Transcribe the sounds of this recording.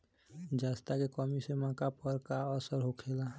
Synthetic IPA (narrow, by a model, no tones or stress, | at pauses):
d͡ʒast̪akekɔmisemãkapəɾkaəsəɾɦokʰela